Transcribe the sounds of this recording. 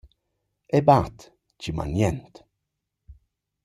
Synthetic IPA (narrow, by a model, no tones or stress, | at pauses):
ɛbat̪ | t͡ʃima̰njɛnt̪